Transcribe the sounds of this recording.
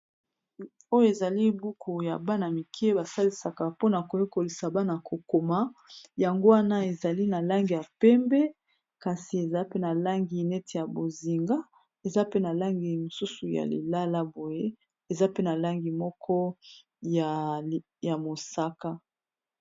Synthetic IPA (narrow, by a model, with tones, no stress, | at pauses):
o˦jo˦e˨za˨li˦bu˦kʰu˨ja̰˨ba˦na˨mi˨kʰɛ˦ba˨sa˦li˨sa˨ka˨po˦na˨ko˨je˦ko˨li˨sa˨ba˦na˨ko˨ko˨ma˦ja˨ŋɡo˦wa˦na˦e˨za˨li˦na˨la˦ŋɡi˨ja˨pɛ˦mbɛ˦ | ka˨si˨e˨za˦pe˦na˨la˦ŋɡi˨nɛ˦tʰe˨ja˨bo˨zi˨ŋɡa˦ | e˨za˦pe˦na˨la˦ŋɡi˨mo˨su˦su˨ja̰˨lḭ˨la˦la˦bo˨je˦ | e˨za˦pe˦na˨la˦ŋɡi˨mɔ˦kʰɔ˦ | ja˨ | ja˨mo˨sa˦ka˦